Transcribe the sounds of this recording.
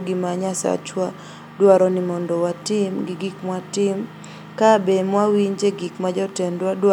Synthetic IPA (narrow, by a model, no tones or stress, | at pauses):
ɡɪmaɲasa̰t͡ʃwa | dwaɾɔnɪmɔndɔwatɪmɡɪɡikmwatɪm | kabemwawiɲd͡ʒeɡikmad͡ʒɔtɛndwadwa